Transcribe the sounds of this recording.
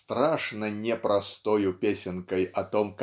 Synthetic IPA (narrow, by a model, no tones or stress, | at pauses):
t̪ɾaʂnɐnʲɛpɾast̪ɔjupʲesʲɪnkɐjɐt̪ɔmk